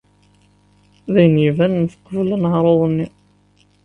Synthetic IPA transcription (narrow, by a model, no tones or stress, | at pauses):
ðæjnivænnəfə̥qːvəlnəʕɾˤoðˤnːi